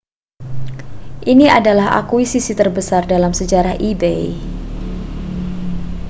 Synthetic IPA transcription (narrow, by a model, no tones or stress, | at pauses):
ʔinia̰dalaha̰kuisisit̪ərbəsardalamsəd͡ʒaɾaʔibḛj